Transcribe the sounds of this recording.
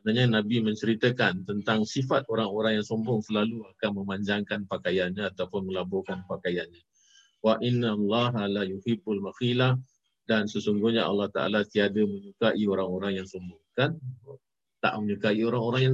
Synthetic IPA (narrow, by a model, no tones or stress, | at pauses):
manaɲanabimə̃ɲt͡ʃəɾit̪əkant̪ənt̪aŋsifat̪̚oɾaŋoɾaŋjaŋsɔmbɔŋsəlaluakanmə̃maɲd͡ʒaŋkanpakajanɲaːt̪awpʊnməlabɔkanpakajanɲa | waʔinalːɑɦalajuhibʊlmaxilah | dansəsuŋɡuhɲaa̰lːɑht̪a̰ʔa̰lat̪iadəməɲukaʔioɾaŋoɾaŋjaŋsɔmbʊŋkan | t̪a̰ʔməɲukaioɾaŋoɾaŋjaŋ